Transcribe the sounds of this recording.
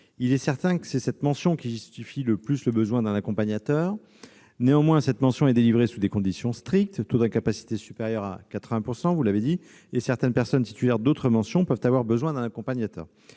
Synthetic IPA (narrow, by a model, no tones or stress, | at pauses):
ilɛsɛʁt̪ɛ̃kə̥sɛsɛt̪mɑ̃sjɔ̃kʲiʒyst̪ifiləplysləbəzwɛ̃d̪ɛ̃nakɔ̃paɲat̪œʁ | neɑ̃mwɛ̃sɛt̪mɑ̃sjɔ̃ɛd̪elivʁesud̪ekɔ̃d̪isjɔ̃st̪χik̚t̪ːut̪ɛ̃kapasi̥t̪esypeʁjœʁa̰kat̪χəvɛ̃puʁsɑ̃vulaved̪i | esɛʁt̪ɛnpɛʁsɔnt̪i̥t̪ylɛʁd̪ot̪χəmɑ̃sjɔ̃pœvt̪avwaʁbəzwɛ̃d̪ɛ̃nakɔ̃paɲjat̪œ̰ːʁ